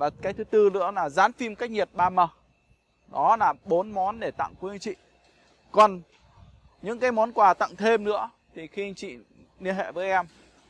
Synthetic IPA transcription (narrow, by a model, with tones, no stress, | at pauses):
vaː˨˩kaː˨˦jt̪ʰɨ˨˦t̪ɨ˧nɨ̰˧˥əlaː˨˩zaː˨˦nfi˧mkaː˦˥k̚ɲi˨˩ət̚ɓaː˧mə˨˩ | nɔ˨˦laː˨˩ɓo˨˦nmɔ˨˦nɗe˧˩t̪a̰˧˨ŋku˧˦˧ŋt͡ɕḭ˧˨ | kɔ˨˩n | ɲɨ̰˧˥ŋkaː˨˦jmɔ˨˦nkwaː˨˩t̪a̰˧˨ŋt̪ʰe˧mnɨ̰˧˥ə | t̪ʰi˨˩xi˧a˧ŋt͡ɕḭ˧˨ | ni˧ənɦḛ˧˨vəː˨˦jʔɛ˧m